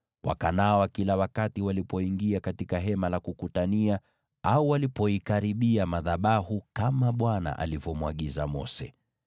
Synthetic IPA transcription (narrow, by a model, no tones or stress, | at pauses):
wʔa̰kanawakilawakatiwalipɔiŋɡiakatikaɦɛmalakukutania | auwalipɔikaɾiɓiamaðaɓahukamaɓwana̰ʔa̰livɔmuwaɠizamɔ̰sɛ̰